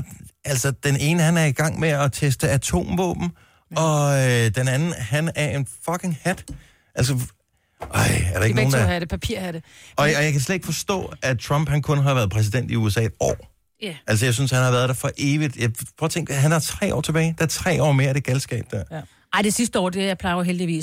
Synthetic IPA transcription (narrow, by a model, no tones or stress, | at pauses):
ælsɒd̥ene̝ːnəhænæɐiɡ̥ɑ̈ŋ̰meɒt͡sʰesd̥əæt͡sʰo̝̰ːmʋɔ̰ːb̥n̩ | ɒ̽ød̥enænn̩hænæɐe̝nfɒ̽kʰe̝ŋhæd̥ | ʔælsə | ʔɑɪæɐɾɑeɡ̥əoːndpʰæpʰiɐ̰hæɾeɒ̽ɒjɑɪkʰæs̬led̥eɡ̥fɒ̽sd̥ɔ̰̽ːæt͡sʰʁɑm̰b̥hænkʰɔ̽nɦɑ̈ʋæːɐðˠpʰʁɛs̬id̥en̰d̥iuesɛ̰̥ːɒ̰ː | ælsɒjɑ̈ɪs̬ynshænhɑ̈ʋæːɐð̞ˠd̥ɑfɒ̽ʔe̝ːʋid̥jɑ̈ɪpʰɔːɐt͡sʰeŋɡ̥ɦænd̥ɑt͡sʰʁɛ̰ːʔɒ̰ːt͡sʰe̝b̥ɛːɪd̥ɑæɐt͡sʰʁɛ̰ːɒ̰ːme̝ːɐd̥e̝ɡ̥ælsɡ̥ɛ̰ːb̥̚d̥æɐ̰ | ɑɪ̰d̥esisd̥əɒ̰ːd̥ejɑ̈ɪpʰlɑ̈ɪoɦeld̥iʋḭː